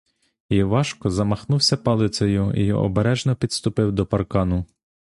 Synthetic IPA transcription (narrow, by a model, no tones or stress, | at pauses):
iʋɑʃkɔzɐmɐxnuwsʲɐpɐlˠɪt̪sɔjʊḭjɔ̰ʔɔ̰beɾɛʒnɔpʲid̪st̪ʊpɪwd̪ɔpɐrkɑnʊ